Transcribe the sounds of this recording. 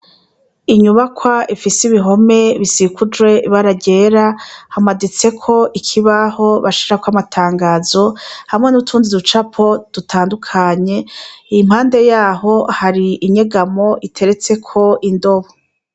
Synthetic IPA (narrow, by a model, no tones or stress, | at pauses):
iɲuβakʰwaʔifisiβiɦo̞me̞βisikʰud͡ʒɡwe̞iβaɾaɟe̞ːɾahamadit͡se̞kʰo̞ʔikʰiβaho̞βaʃiɾakwamatʰaːŋɡaːzo̞hamŋe̞nutʰuːnzidut͡ʃapʰo̞d̥utʰaːndukʰaɲe̞ijim̥haːnde̞jaːɦo̞haɾiʔiɲe̞ɡamo̞ʔitʰe̞ɾe̞t͡se̞kʰo̞ʔindo̞βo